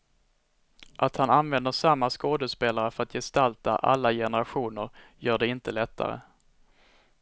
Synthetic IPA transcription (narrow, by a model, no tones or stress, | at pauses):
ʔat̪hananvɛnd̪əʂamːaskoːd̪əspeːlaɾəfœɾat̪ʰjɛst̪alt̪a̰ʔa̰lːajɛnəɾaɧuːnəɾ | jœːɖɛɪnt̪əlɛt̪ʰːa̰ɾə̰